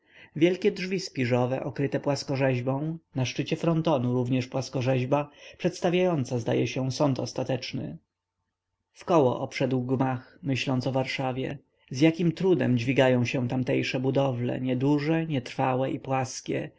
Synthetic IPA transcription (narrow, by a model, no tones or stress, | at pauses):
vʲjɛlkʲɛdʐvʲispʲiʐɔvɛʔɔkɾɘt̪ɛpwaskɔʐɛʑbɔ̃w̃naʂt͡ʂɘt͡ɕɛfɾɔnt̪ɔnuɾuvɲɛʂpwaskɔʐɛʑbapʂɛt̪st̪avʲjajɔnt̪sazd̪a̰jɛɕɛsɔnt̪ɔst̪at̪ɛt͡ʂnɘ̰ | fkɔwɔ̰ʔɔpʂɛd̪wɡmaxmɘɕlɔnt̪sɔvaɾʂavʲjɛ̰ | zjakʲimt̪ɾud̪ɛ̰md͡ʑvʲiɡajɔ̃w̃ɕɛ̃t̪amt̪ɛjʂɛbud̪ɔvlɛ̰ɲɛd̪uʐɛɲɛt̪ɾfawɛʔipwaskʲɛ̰